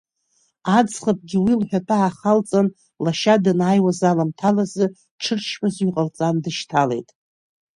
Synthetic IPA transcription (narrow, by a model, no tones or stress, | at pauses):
ad͡zχap̚ʰʼɡʲɪwilħʷᶣapʰaːχalt͡sʼan | laʃadanajwazalamtʰalazɨ | ʈ͡ʂʰɨrʃmazɥiqʼəlt͡sʼandɨʃtʰale̞̰jtʼ